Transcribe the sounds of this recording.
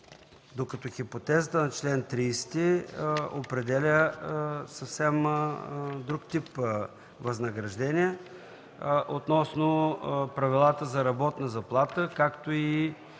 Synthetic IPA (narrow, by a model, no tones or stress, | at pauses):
d̪okɐt̪ɔxipot̪ɛzət̪ənɐt͡ʃlɛnt̪ɾiːst̪i | opɾɛd̪ɛlʲə | səfsɛm | d̪ɾukt̪ip | vɐznɐɡɾɐʒd̪ɛniɛ | ʔot̪nɔsnopɾɐvilˠat̪əzɐɾɐbɔt̪nɐzɐplˠat̪əkakt̪oi